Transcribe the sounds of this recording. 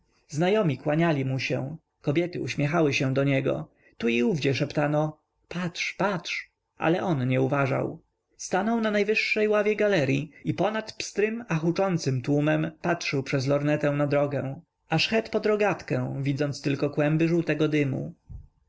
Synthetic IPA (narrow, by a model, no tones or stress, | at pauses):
znajɔmʲikwaɲalʲimuɕɛ̰w̃ | kɔbʲjɛt̪ɘuɕmʲjɛxawɘɕɛw̃d̪ɔɲɛɡɔ̰ | t̪uiuvd͡ʑɛʂɛpt̪anɔ | patʂpatʂ | ʔa̰lɛʔɔnɲɛuvaʐa̰w | st̪anɔwnanajvɘʂːɛjwavʲjɛɡalɛɾʲjiipɔnat̪pst̪ɾɘmaxut͡ʂɔnt̪sɘmt̪wumɛmpatʂɘwpʂɛzlɔɾnɛt̪ɛ̃w̃nad̪ɾɔɡɛ̃w̃ | aʂxɛt̪pɔd̪ɾɔɡat̪kɛ̃w̃vʲid̪zɔnt̪st̪ɘlkɔkwɛmbɘʐuwt̪ɛɡɔd̪ɘmṵ